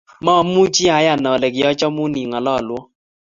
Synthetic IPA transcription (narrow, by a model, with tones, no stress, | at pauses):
mɔ˦˨m̩˦u˦t͡ʃi˦a˨˦ja˨nɔ˨lɛ˨kɪ˨jɔ˦t͡ʃɔ˦mu˦ni˨ŋɔ˨lɔ˦˨lwɔ˦